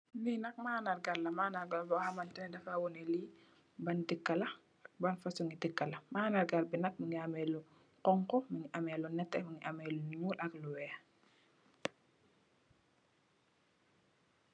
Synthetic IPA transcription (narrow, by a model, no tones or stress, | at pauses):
ninɐk̚maːnaɾɡaɾlɐmanaɾɡalbɔhamantɛnɛdafawɔnɛli | bandikːalɐ | banfasuŋitikːalɐmaːnaɾɡaɾbinɐk̚miŋiamɛlu | qɔŋkɔmiŋiʔamɛlunɛtːɛmiŋiʔamɛluɲulʔɐkluwɛa